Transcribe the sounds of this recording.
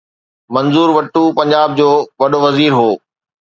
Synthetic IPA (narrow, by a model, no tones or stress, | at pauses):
mɐ̃nzuːɾʋɐʈːupɐ̃ɲd͡ʑaːb̚d͡ʑoːʋɐɗoʋɐziːɾɦoː